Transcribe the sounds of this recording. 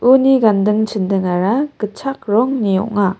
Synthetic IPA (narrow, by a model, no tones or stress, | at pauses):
uniɡandɯŋt͡ʃʰɯndɯŋaɾakɯt͡ʃʰak̚ɾɔŋnijɔ̰ʔŋa